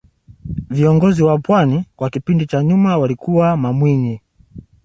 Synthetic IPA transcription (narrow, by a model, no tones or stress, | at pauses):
viɔŋɡɔziwapwanikwakipindit͡ʃaɲumawalikuwamamwiɲi